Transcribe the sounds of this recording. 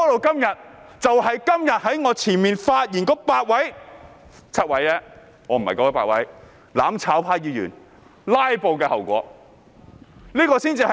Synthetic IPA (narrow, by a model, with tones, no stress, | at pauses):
kɔː˨˥lo˨˧wkɐ˥mjɐ˨t̚ | t͡sɐ˨whɐ˨jkɐ˥mjɐ˨t̚hɐ˨˥jŋɔː˨˧t͡sʰiː˨˩nmiː˨nfaː˧t̚jiː˨˩nkɔː˧˥paː˧t̚wɐ˨˥j | t͡sʰɐ˥t̚wɐ˨˥jlɛː˥ | ŋɔː˨˧m̩˨˩hɐ̰˨kɔː˨˧kɔ˨˦˥paː˧˥wɐ̰˨˥j | la̰ː˨˥mt͡sʰaː˨˥wpʰaː˧jiː˨˧jy̰ː˨˩n | laː˥jpo˨˧wkɛː˧hɐ˨˩wkʷɔ̰ː˨˥ | liː˥kɔː˧siː˥nt͡siː˧hɐ˨